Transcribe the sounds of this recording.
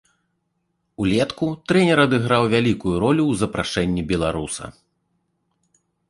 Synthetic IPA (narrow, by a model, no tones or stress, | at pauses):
ulʲɛt̪kut̪ɾɛnʲɛɾɐd̪ɨɣɾawvʲalʲikujuɾɔlʲuwzɐpɾa̰ʂɛnʲːibʲɛlˠaɾusɐ̰